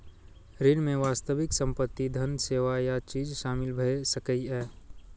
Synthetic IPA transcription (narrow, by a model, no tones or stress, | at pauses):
ɾɪɽmẽʋaːst̪əʋɪksə̃mpət̪ːid̪ʱənseːʋajat͡ʃiːd͡ʒʃaːmɪlbʱəesəkəiɛː